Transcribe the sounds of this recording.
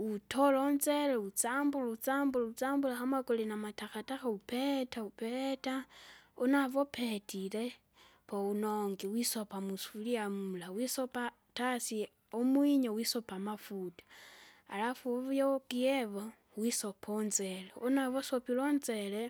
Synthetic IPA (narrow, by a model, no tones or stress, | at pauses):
utʰolonzeleut͡saːmbulaut͡saːmbulaut͡saːmbulaxamakolinamataxataxaupetaupetaunaβo̞petʰile | pounoŋɡiwisopamusuliamulawisopa | tasi | omwiɲowisopamafutḁa̰lafuβjokieβo | wisopʰonze̞leunaβosopilonzele